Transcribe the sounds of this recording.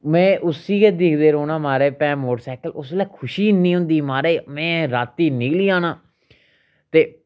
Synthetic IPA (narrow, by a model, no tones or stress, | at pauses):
mɛ̃ːʔʊsiːkeːd̪ɪːkʰd̪eːɾoːnãːmaːɾeːpɛ̃ːmoːʈsaːkəlʊslaːkʰʊʃiːnːiːɦʊ̃nd̪iːmaːɾeːmɛ̃ːɾaːt̪ːiːnɪkliːaːnãː | t̪eː